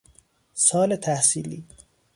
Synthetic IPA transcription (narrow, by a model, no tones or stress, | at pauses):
sɒːlet̪ʰæhsiːliː